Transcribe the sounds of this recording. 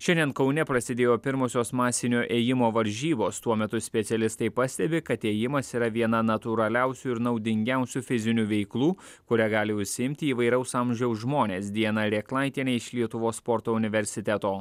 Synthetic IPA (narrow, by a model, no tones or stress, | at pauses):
ʃʲɛnd̪ʲiɛnkɒʊnʲɛpɾɐsʲɪd̪ʲeːjoːpʲɪɾmoːsʲoːsmɑːsʲɪnʲoːʔeːjɪmoːʋɐɾʲʒʲiːboːst̪uɔmʲɛt̪ʊsʲpʲɛt̪sʲɛlʲɪst̪ɐɪpɐsʲt̪ʲɛbʲɪkɐt̪eːjɪmɐsiːɾɐʋʲiɛnɐnɐt̪uɾɐlʲæˑʊsʲuɪɾnɐʊd̪ʲɪŋʲɡʲɛˑʊsʲufʲɪzʲɪnʲuːʋʲɛɪklˠuː | kʊɾʲæːɡɑːlʲɪʊʃʲsʲɪɪmʲt̪ʲɪiːʋɐɪɾʲɛʊsɑmʲʒʲɛʊsʒmoːnʲeːsd̪ʲiɛnɐɾʲeːklˠɑˑɪt̪ʲiɛnʲeɪʃlʲiɛt̪ʊʋoːsspoɾt̪oːʊnʲɪʋʲɛɾʲsʲɪt̪ʲɛt̪oː